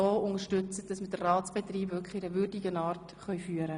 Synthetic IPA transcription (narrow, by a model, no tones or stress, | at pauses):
oːʊŋəʃtʏt͡sət̚d̥ɑsməd̥ərːɑːt͡sb̥et̪riːbʋøkɪɾəʋʏrdɪɡənɑːrt | χœɥfyːəɾə